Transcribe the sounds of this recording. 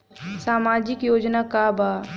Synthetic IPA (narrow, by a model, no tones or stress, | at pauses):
saːmaːd͡ʒɪkjoːd͡ʒnakabaː